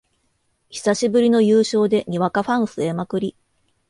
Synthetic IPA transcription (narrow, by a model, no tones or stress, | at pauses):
çi̥saɕibɯ̟ɾʲino̞jɯːɕo̞ːd̪e̞ɲ̟iβakaɸãɰ̃sɨemakɯ̟ɾʲi